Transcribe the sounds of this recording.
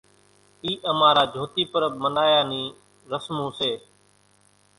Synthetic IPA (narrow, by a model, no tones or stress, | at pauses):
iːʔəmaːɾaːd͡ʒʱoːt̪iːpəɾəb̚mənaːjaːnĩː | ɾəsmõːseː